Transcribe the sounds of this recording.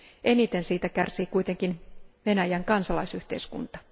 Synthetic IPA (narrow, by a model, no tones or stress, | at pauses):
ʔe̞nit̪e̞nsiːt̪ækærsiːkujt̪e̞ŋkinʋe̞næjæŋkɑnsɑlɑjsyht̪e̞jskṵnt̪ɑ̥